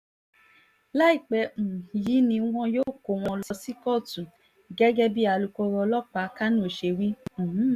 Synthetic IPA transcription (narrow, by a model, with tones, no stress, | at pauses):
la˦i˦˨k͡pɛ˧˦m̩˨ji˨˦nĩ˧˦w̃ɔ̃˧jo˦˨ko˨w̃ɔ̃˧lssi˦kɔ˦˨tũ˨ | ɡɛ˦ɡɛ˦bi˦a˧lu˧kɔ˧ɾɔ˧lɔ˦k͡pa˨˦ka˦nũ˦o˨ʃe˧wĩ˦˨˦